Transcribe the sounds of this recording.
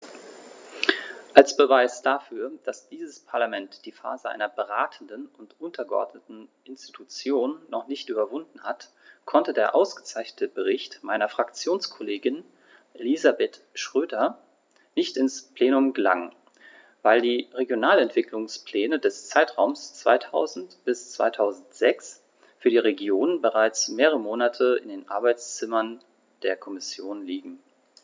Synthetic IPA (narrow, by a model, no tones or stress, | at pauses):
ʔalsb̥əvaɪsd̥afyːɐd̥asd̥iːzəspʰaɐlamɛntd̥iːfa̰ːzəʔa̰ɪnɐbəʁaːtʰn̩dənʊntʔʊntʰɐɡəʔɔ̰ɐdnətn̩ʔɪnsti̥tʰut͡sjoːnːɔχnɪçtʔyːbɐvʊndn̩hat | kʰɔntədeːɐʔa̰ʊsɡ̥ət͡saɪçnətəbəʁ̞ɪçtmaɪnɐfʁ̥akt͡sjoːnskʰɔleːɡɪn | ʔelizabeːtʃʁ̥øːdɐ | nɪçtɪnspl̥eːnʊmɡəla̰ŋən | vaɪldiːʁeɡjonaːlɛntv̥ɪklʊŋspl̥ɛːnədɛst͡saɪtʁ̥aʊmst͡sv̥a̰ɪtʰa̰ʊzn̩tb̥ɪst͡sv̥a̰ɪtʰaʊzn̩tz̥ɛks | fyːɐdiːʁeɡjoːnənbəʁaɪt͡smeːʁəʁəmoːnatʰəɪ̰ndeːnʔa̰ɐbaɪt͡st͡sɪmɐn | d̥eːɐkʰɔmɪsjoːnliːɡŋ̩